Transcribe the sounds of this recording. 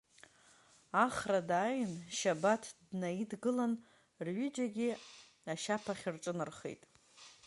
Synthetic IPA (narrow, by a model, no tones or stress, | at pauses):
aχradaːjnʃabatʰdnaidɡɨlan | rɥʏd͡ʒaɡʲi | aʃapʰaχʲɪrʈ͡ʂʼɨnɨrχḛjtʼ